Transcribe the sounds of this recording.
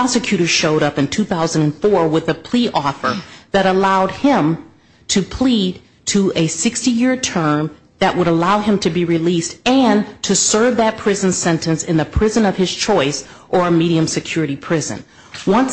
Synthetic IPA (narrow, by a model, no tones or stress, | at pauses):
ɑsɨkʰj̥ʉɾə̥˞ʃoʊɾʌpɨ̃ntʰʉθaʊzə̃n̩dɨ̃nfɔɹwɪðəpʰl̥iʔɔfə˞ðɨɾəlaʊd̚ɪ̃m | tʰɨpʰl̥id̚ | tʰəʔɨsɪkstijɪɹtʰɜ̃˞m | ðɨʔwʔəɾəlaʊɨ̃mtʰɨbiɹilistɨ̃ntʰɨsɜ˞vðɨt̚pʰɹ̥ɪz̃n̩̥sɛ̃ntɨ̃nsɨ̃nðɨpʰɹ̥ɪzɨ̃nʌv̥ɨz̥t͡ʃʰɔɪsʔə˞ɨmiɾiɨ̃msɨkʰj̥ʊɹɨɾipʰɹ̥ɪzɨ̰̃n | wʌ̃n